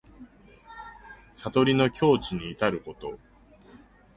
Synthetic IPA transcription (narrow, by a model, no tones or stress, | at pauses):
sat̪o̞ɾʲino̞kʲo̞ːt͡ɕiɲ̟iːt̪aɾɯ̟ko̞t̪o̞̰